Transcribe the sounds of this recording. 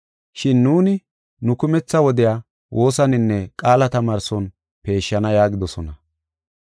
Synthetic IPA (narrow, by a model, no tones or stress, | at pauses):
ʃɪnːuːnɪ | nʊkʊmɛt͡sːɐwɔd̪ɪjaː | wʔo̞ːsɐnɪnːɛkʼaːlɐt̪ɐmaːɾsɔn | pe̞ːʃːɐnɐjaːɡɪd̪ɔsɔnɐ